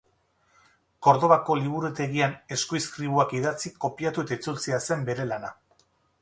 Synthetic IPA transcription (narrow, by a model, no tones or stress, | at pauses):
ko̞ɾðo̞βako̞liβ̞uɾut̪e̞ɣiane̞skoiskɾiβuakiðat͡siko̞piat̪ue̞t̪ait͡sult͡sease̞mbe̞ɾe̞lana